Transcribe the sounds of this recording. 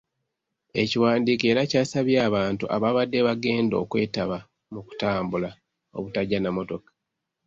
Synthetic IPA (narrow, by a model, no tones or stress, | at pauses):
e̞ciwaːndiːke̞ːɾacaːsaβjaːβaːntṵʔaβaβadːe̞βaɡe̞ːndo̞̰ːkwe̞ːtaβa | muku̥taːmbula | o̞̰βutaɟanamo̞to̞kḁ